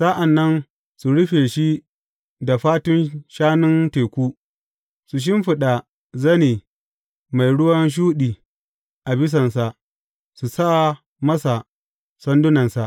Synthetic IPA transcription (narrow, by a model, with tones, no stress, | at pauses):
sa˦ʔa˨nːɐ˦n | su˨ɽʊ˦ɸeː˨ʃi˦ | da˨ɸaː˦tʊ˦nʃaː˦nʊ˦nteː˨kʷuː˦ | su˨ʃ̬ɪ˦mɸɪ˨ɗa˨ | zɐ˦neː˨ | ma˨jɽʊ˦wɐ˦nʃ̬uː˦ɗiː˨ | ʔa˨bɪ˦s̬ɐ˨nsa˨ʔ | su˨sa˦ʔa˨ | mɐ˦sa˨ | sɐ˦ndʊ˦nɐ˨nsa˨ʔ